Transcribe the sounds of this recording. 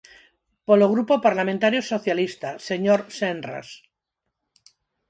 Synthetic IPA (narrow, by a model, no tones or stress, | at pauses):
poloɣɾupopaɾlamẽnt̪aɾjosoθjalist̪aseɲoɾsenra̰s